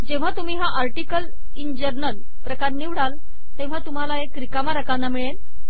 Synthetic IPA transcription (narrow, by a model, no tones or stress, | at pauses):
d͡ʑẽʋ̤at̪um̤iːɦaʔaɾʈikəl | ind͡ʑəɾnəl | pɾəkaɾniʋɽal | t̪ẽʋ̤at̪um̤alaekːɾikamaɾəkanːamiɭen